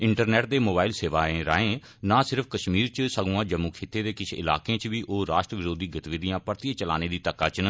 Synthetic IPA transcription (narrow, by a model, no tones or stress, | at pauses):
ɪɳʈəɾnɛːʈ̚d̪eːmoːbaːɪlseːʋaːẽːɾa̰ːẽː | nãːsɪɾəpʰkəʃmiːɾt͡ʃsəɡũːãːd͡ʒəmːuːkʰeːt̪ːeːd̪eːkɪt͡ʃʰɪla̰ːkẽːt͡ʃʋiːʔoːɾaːʃʈɾəʋɪɾoːd̪iːɡət̪ʋɪd̪ɪjãːpəɾt̪ɪeːt͡ʃəla̰ːneːd̪iːt̪əkːaːt͡ʃn